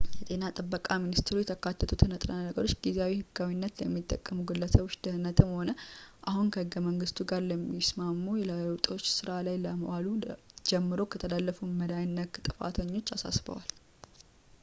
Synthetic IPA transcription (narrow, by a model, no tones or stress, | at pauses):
jɛt̪ʼe̞nat̪ʼɨbːəkʼaminist̪ʰeɾujɛt̪ʰəkʰat̪ʰːət̪ʰut̪ʰɨnət̪ʼɾanəɡəɾo̞t͡ʃːɡizeawihɨɡːawinːət̪ləmːit̪ʼːə̰kʼːəmuɡɨlːəsəβʊʃd̪̥əhɨnət̪ʰɨmho̞nəʔahunkʰəhɨɡːəməŋɡɨst̪ʰuɡaɾləmːismamːujɛlaləwt̪ʼo̞t͡ʃːsɨɾalajləməwalud͡ʒɛmːɨɾo̞kʰət̪ʰəlalːəfuməd̪ajɪnːəkt̪ʼɨfa̰t̪ʰəɲːo̞t͡ʃːasa̰sbə̰wal